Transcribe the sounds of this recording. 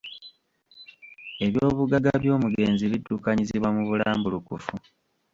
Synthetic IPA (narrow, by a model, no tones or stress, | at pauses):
e̞βjoːβuɡaɡaβjo̞ːmuɡe̞ːnziβidːukaɲiziβwamuβulaːmbulukufu